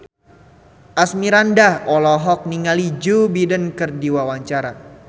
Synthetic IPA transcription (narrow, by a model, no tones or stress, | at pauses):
ʔasmiɾandahɔlɔɦɔk̚niŋalid͡ʒubidənkərdiwawaɲt͡ʃaɾa